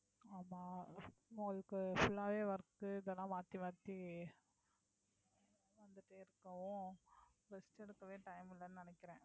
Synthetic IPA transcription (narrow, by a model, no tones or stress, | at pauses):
aːmaːʊŋɡɐɭɯkːɯfʊɭːaːʋeːʋɐɾɯkːɯɪðɛlːãːʋaːt̪ːiʋaːt̪ːi | ʋɐnd̪ɯʈːeːɪɾɯkːɐʋʊ̃ | bɛsʈːɛɽɯkːɐʋeːʈɐjmɪlːɐnɯnɪnɛkːɪɾẽː